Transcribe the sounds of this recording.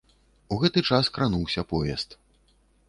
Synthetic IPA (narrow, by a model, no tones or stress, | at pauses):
uɣɛt̪ɨt͡ʂaskɾanuwsʲɐpɔjʲɛst̪